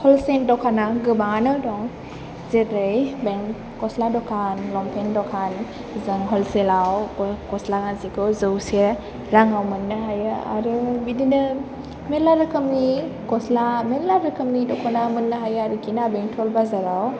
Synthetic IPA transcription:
hɔlsen̚dɔkʰanaɡɯbaŋanɯdɔŋ | zetɾɯjbeŋ | kɔsladɔkʰanlɔmpʰendɔkʰan | zɯŋɦɔlselawkɔslaŋazikɔzɯwse | ɾaŋawmɯnːaɦajɯa̰ɾɯbidinɯ | melaɾɯkʰɯmnikɔslamelaɾɯkʰɯmnidɔkʰɔnamɯnːaɦajaɾɯkʰinabeŋtʰɔlbazaɾaw

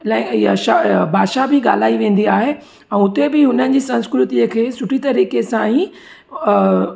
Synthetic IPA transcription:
lɛ̃aʃabʱaːʃabɪɠa̰ːl̤aːiʋẽːn̆d̪iaːɦe | ɛ̃ːʊt̪ebɪɦʊnənɪ̆d͡ʑiːsɐ̃nskɾʊt̪iəkʰeːsʊʈʰit̪ɐɾiːkesãĩ

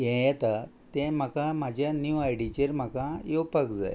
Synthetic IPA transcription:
jɛ̃jɛt̪at̪ɛ̃m̤əkãm̤ad͡ʑʱjanjuajɽit͡ɕəɾm̤akãjowpakd͡za̰j

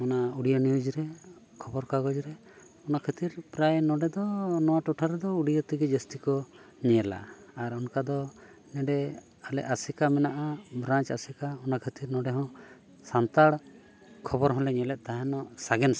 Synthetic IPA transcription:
ɔnauɽijɔnijud͡ʒɾɛ | kʰɔbɔɾkaɡɔd͡ʒɾɛ | ɔnakʰət̪iɾpɾajnɔɖɛd̪ɔnɔwaʈɔʈʰaɾɛd̪ɔuɽijɔt̪iɡɛd͡ʒəst̪ikɔɲɛɛla̰ːɾɔnkad̪ɔ | nɛɖɛ | alɛ̰ʔasikamɛnaʔabɾãt͡ʃasikaɔnakʰət̪iɾnɔ̃ɖɛɦɔ̃ | sant̪aɽ | kʰɔbɔɾɦɔ̃lɛɲɛlɛt̪̚ˀt̪aɦɛ̃nɔʔsaɡɛn

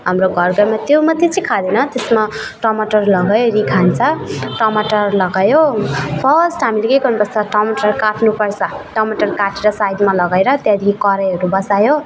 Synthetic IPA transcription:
ɦamroɡʱʌrɡamat̪jomʌt̪jet͡sʰikʰad̪enʌt̪esma | ʈʌmaʈʌrlʌɡajɾikʰant͡sʰʌʈʌmaʈʌrlʌɡajopʰʌsʈɦamilekejɡʌrnupʌrt͡sʰʌʈʌmʌʈʌrkaʈʰnupʌrt͡sʰʌʈʌmaʈʌrkaʈeɾʌsajd̪malʌɡaɾʌt̪jãd̪ikʰikʌɾʌɦʌɾubʌsajo

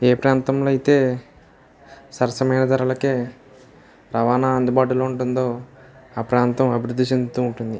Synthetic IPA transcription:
eːpɾaːnt̪ɐmloːɐjit̪e̞ː | sɐɾɐsɐmɐjnɐd̪ɐɾɐlɐkeː | ɾɐʋaːnaːɐnd̪ubaːʈ̬uloːuɳʈund̪oːaːpɾaːnt̪ɐmɐbʱiɾud̪ʱːit͡ʃe̞nd̪ut̪uːɳʈund̪i

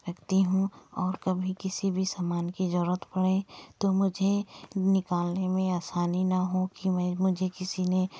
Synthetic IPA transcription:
ɾɐkt̪iɦũɔːɾkɐbʱikɪsibʱisaːmaːnkid͡ʒɔɾət̪pɐɽet̪omʊd͡ʒʱenɪkaːlnemẽaːsaːninɐɦõkimɛ̃ːmʊd͡ʒʱekɪsine

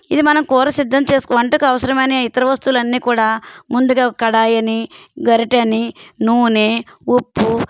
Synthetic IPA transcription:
id̪imɐnɐmkɔːɾɐsid̪ʱːɐmt͡ʃeːskʋɐɳʈɐkuɐʋɐsɐɾɐmɐjneit̪ɐɾɐʋɐst̪uulɐnːiːkuːɽaːmund̪uɡaːkɐkɐɽaːjɐniɡɐɾiʈɐninuːneːupːu

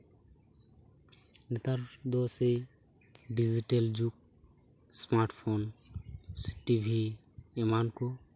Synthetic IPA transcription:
nɛt̪aɾd̪ɔsej | ɖid͡ʒiʈeld͡ʒuk̚ | smaɾʈpʰon | si̥ʈibʱi | ɛmankɔ

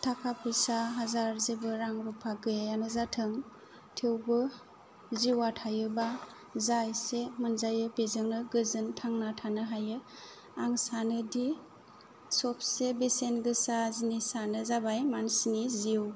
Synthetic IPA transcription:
tʰakʰapʰɯsaɦazaɾzibɯɾaŋbɯpʰaɡɯjanɯzatʰɯŋ | tʰiwbɯ | ziwatʰajɯba | zajsemɯnzajɯbezɯŋnɯɡɯzɯntʰaŋnatʰanɯɦajɯ | aŋsanɯdi | sɔp̚ʰsebesenɡɯsazinisanɯzabajmansiniziw

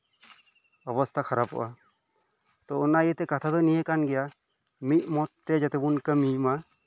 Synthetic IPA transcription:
ɔbɔst̪ʰakʰaɾapɔ̰ʔa | t̪ɔɔnajət̪ɛkat̪ʰad̪ɔnijəkanɡɛja | mit̪̚ˀmɔt̪ːɛd͡ʒat̪ɛbunkəmima

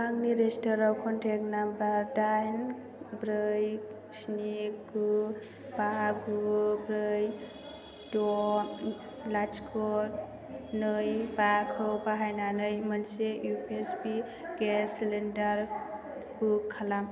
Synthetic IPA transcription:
aŋniɾestɔɾawkʰɔntʰek̚nambaɾdajn | bɾɯj | sniɡu | baɡubɾɯj | dɔ | lad͡ʒkʰɔt̚ | nɯjbakʰɯwbaɦajnanɯjmənsejupesbi | ɡeslendaɾ | ukʰːalam

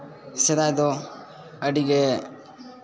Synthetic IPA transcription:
sɛd̪ajd̪ɔ | əɖiɡɛ

